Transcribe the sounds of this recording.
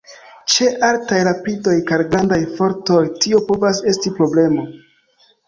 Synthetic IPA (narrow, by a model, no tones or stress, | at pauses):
t͡ʃe̞ʔaltajɾapido̞jkaɾɡɾandajfo̞ɾto̞jtio̞po̞vas̬e̞stipɾo̞ble̞mo̞